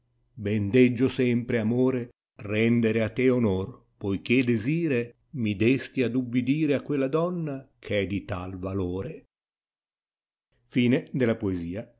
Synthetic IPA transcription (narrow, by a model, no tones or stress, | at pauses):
bɛnd̪ɛd͡ʒːosɛmpɾeamoːɾe | rɛnd̪eɾeat̪ːeonor | pojk̟ed̪eziːɾe | mid̪est̪iad̪ubːid̪iːɾeakːwelːad̪ɔnːakʰɛd̪it̪alvaloːɾe | fiːned̪elapoeziːa